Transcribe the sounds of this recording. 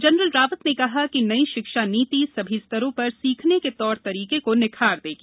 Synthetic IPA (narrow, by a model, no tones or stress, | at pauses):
d͡ʒɐnɾəlɾaːʋət̪nekɐɦakinɐiʃɪkʃaːniːt̪isɐbʱist̪ʰəɾõpɐɾsiːkʰneket̪ɔːɾt̪ɐɾiːkekonɪkʰaːɾd̪eːɡiː